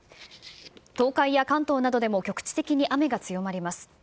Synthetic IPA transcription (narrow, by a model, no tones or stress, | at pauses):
t̪o̞ːkaijakãnt̪o̞ːnad̪o̞d̪e̞mo̞kʲo̞kɯ̟̥t͡ɕi̥t̪e̞kʲiɲ̟iʔame̞ɡat͡sɨjo̞maɾʲimasɨ̥